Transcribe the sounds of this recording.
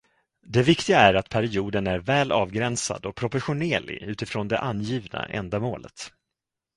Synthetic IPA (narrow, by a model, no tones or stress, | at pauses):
d̪ɛvɪkt̪ɪɡaæɾat̪pʰæɾɪuːd̪ənæɾvɛːlʔɑːvɡɾɛnsa̰d̪ɔpʰɾɔpɔɾɧʊneːlɪ̰ʉ̟ːt̪ɪfɾoːnd̪ɛʔanjiːvna̰ʔɛ̰nd̪amoːlə̰t̪